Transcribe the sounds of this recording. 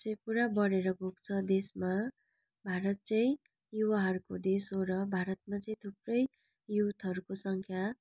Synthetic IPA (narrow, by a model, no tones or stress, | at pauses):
t͡sʌj̃ĩpuɾabʌɾeɾʌbʱok̚t͡sʰʌd̪esma | bʱaɾʌt̪̚t͡sʌĩ | juwaɦʌɾukod̪esoɾʌbʱaɾʌt̪̚mat͡sʌĩt̪ʰuprʌj | jut̪ɦʌɾukosʌŋkʰja